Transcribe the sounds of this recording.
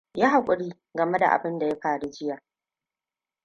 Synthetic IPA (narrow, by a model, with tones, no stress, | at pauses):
jaː˦ɦa˨kʷʼʊ˨ɽiː˦ | ɡɐ˨me˦da̰˨ʔa̰˨bɪ˦nda˨ja˦ɸaː˨ɽe˦d͡ʒɪ˦jaː˨